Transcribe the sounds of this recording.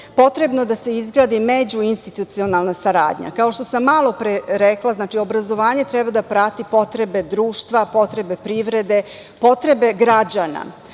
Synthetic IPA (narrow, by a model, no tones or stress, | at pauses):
po̞t̪ɾe̞bnod̪ase̞izɡɾaːd̪imed͡ʑuinst̪it̪ut̪sio̞nalˠnasaɾa̰ːd̪ɲa̰kaoʃt̪o̞samːaːlˠo̞pɾeɾeklaznaːt͡ʃio̞bɾazo̞ʋaːɲe̞t̪ɾɛbad̪apɾat̪ipo̞t̪ɾe̞be̞d̪ɾuːʃt̪ʋapo̞t̪ɾe̞be̞pɾiʋɾe̞d̪e̞po̞t̪ɾe̞be̞ɡɾad͡ʑana̰